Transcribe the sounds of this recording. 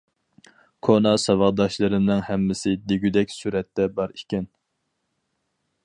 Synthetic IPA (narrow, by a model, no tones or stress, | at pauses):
kʰonɑsɑvɑʁd̪ɑʃlˠɨɾɨmnɨŋhɛmːɪsɪd̪eɡʲyd̪ɛkʲsyɾɛt̪ːɛbɑɾikʲɛn